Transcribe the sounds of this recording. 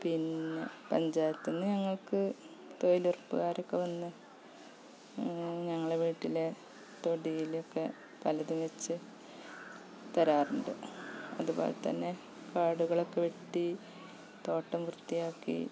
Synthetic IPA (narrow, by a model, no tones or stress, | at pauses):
pinːepɐɲd͡ʑaːjit̪ːunːuɲɐŋːɐɭkɨ | t̪o̞jilurpːɨ̰ɣaːɾo̞kːe̞ʋɐnːɨ | ɲɐŋːɐɭeʋiːʈːile | t̪o̞ɽijilo̞kːe̞ | pɐlɐðumʋet͡ɕːɨ | t̪ɐɾaːruɳɖɨ̰ɐðubo̰ːlḛt̪ɐ̰nːe̞ | kaːɽuɣɐɭokːe̞ʋeʈːi | t̪o̞ːʈːɐmkrt̪ːijaːkːḭ